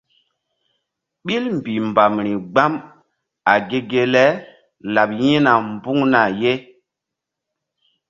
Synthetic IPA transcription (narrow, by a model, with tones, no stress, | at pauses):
ɓi˦lm˨bi˨mba˨mɾi˨ɡ͡ba˦m | a˨ɡe˦ɡe˦lɛ˦ | la˨p̚jĩ˦na˨mbu˦ŋna˨je˦